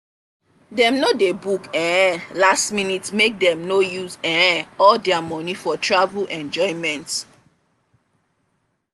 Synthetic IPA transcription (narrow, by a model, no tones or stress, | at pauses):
dɛ̃mnodebukɛ̃lastminitmek̚dɛ̃mnojuzɛ̃ɔldɛamɔnifɔtɹavulʔɛ̃nd͡ʒɔɪ̃mɛ̃nt